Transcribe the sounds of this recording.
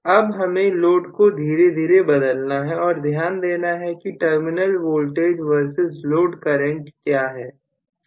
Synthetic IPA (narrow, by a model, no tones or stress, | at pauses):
ɐbɦɐmẽloːɖkod̪ʱiːɾed̪ʱiːɾebɐd̪əlnaɦɛɔːɾd̪ʱjaːnd̪eːnaɦɛkiʈəɾmɪnəlʋoːlʈeːd͡ʒʋəɾsɪzloːɖkɐɾẽʈkjaːɦɛː